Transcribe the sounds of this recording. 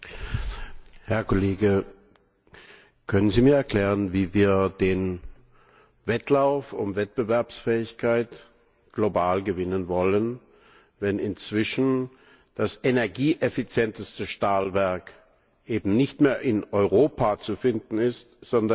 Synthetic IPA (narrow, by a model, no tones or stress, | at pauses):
hɛɐkʰoleːɡə | kʰœnənziːmiːɐɛɐkʰl̥ɛːʁənviːviːɐd̥eːn | vɛtʰlaʊfʊmvɛt̚b̥əvɛɐpsfɛːɪçkʰaɪt | ɡ̥lobaːlɡəvɪnənvɔlən | vɛnɪnt͡sv̥ɪʃn̩ | d̥asenɛɐɡiːʔefit͡sjɛntəstəʃtaːlvɛɐk | ʔeːbm̩nɪçtmeːɐʔɪnʔɔʏʁoːpʰat͡sufɪndn̩ɪstz̥ɔndɐ